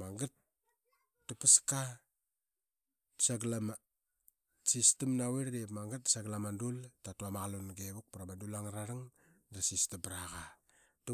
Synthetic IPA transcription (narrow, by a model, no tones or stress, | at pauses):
maŋɡat̚ː | upaska | saɡlama | sistimnaweɾdepmaŋɡat̚saɡlamandultatuamaɣalunɡeβuk̚puɾamadulaŋɾaɾaŋ | ɾasistibɾaɣa | tu